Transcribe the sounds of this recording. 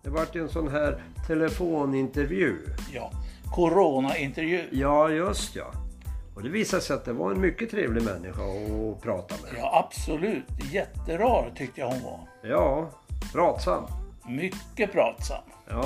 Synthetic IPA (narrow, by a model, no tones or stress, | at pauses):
d̪̥ɛvaʈːjɵɛnsɔnɦæːɾt̪ʰɛləfoːnɪnt̪əɾvjʉ̟̰ːjɑːkʰʊɾoːnaɪnt̪əɾjʉ̟ːjɑːjɵst̪ʰjɑ̰ɔd̪ɛviːsad̪sɛjat̪̚d̪ɛva̰ɾɛnmʏkːət̪ʰɾeːvlɪmɛnːɪɧaɔpʰɾɑːt̪amɛjɑːʔab̥sʊlʉ̟ːt̪jɛt̪ːəɾɑːɾt̪ʰʏk̚t̪əjahʊnva̰jɑːpʰɾɑːt̪sa̰mːmʏkːəpʰɾɑːt̪sa̰mː | jɑ̰ː